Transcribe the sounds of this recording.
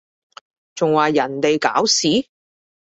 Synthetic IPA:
t͡sʊ˨ŋwaː˨jɐ˨˩nt̪e˨jka̰ː˨˥wsiː˨˥

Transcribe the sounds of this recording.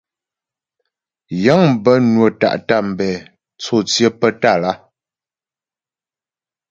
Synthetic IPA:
jə˨˦ŋm˦˨bə˦nwə˨ta̰˨ʔta˦˨m̩˨bɛ˨ | t͡so˦˨t͡sjə˦pə˦ta˦˨la˦

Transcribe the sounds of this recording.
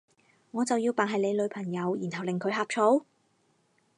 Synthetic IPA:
ŋɔː˨˧t͡sɐ˨wjiː˧wpaː˨nɦɐ˨jle˨˧jlɵ˨˧ɥpʰɐ˨˩ŋjɐ˨˧wjiː˨˩nɦɐ˨wlɪ˨˩ŋkʰɵ˨˧˥ɥɦaː˨˧p̚t͡ʃʰo˨˥w

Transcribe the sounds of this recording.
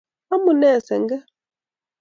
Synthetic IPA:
a˦mu˨nɛ˦˨sɛ˨ŋɡɛ˦

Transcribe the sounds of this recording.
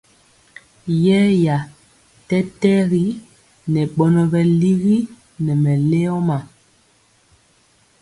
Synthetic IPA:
jɛ˦ja˨ | tɛ˦tɛ˦ɣi˦ | nɛ˨ɓɔ˨nɔ˨bɛ˨li˦ɣi˦ | nɛ˨mɛ˨le˦ɔ˦ma˨

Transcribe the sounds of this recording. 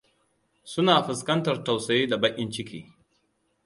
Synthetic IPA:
sʊ˦naː˨ɸɪ˨skɐ˦ntɐ˨rta˨wsɐ˨jeː˦da˨bɐ˦ʔʲʼɪ˦nt͡ʃɪ˦kʰʲḭː˨

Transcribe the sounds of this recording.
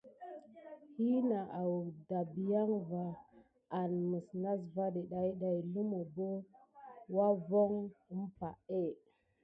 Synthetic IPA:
hi˦na˨ʔa˨wda˨bi˨ja˦ŋvaː˨ | nmə˨sna˦s̬va˦ɗe˨ɗa˨i˦ɗa˨jlu˦mo˨bo˦ | wa˦vo˦ŋə˦mpa̰˨e˦˨

